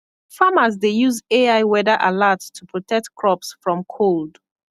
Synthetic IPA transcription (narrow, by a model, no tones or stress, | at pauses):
famazdejuzeaɪwɛdəʔalattʰːupʰɹɔtʰɛk̚tkʰɹɔpsfɹɔ̃mkʰold